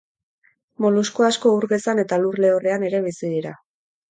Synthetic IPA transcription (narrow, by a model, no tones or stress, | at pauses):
mo̞luskoasko̞uɾɣe̞sane̞t̪alurle̞ore̞ane̞ɾe̞βisiðiɾa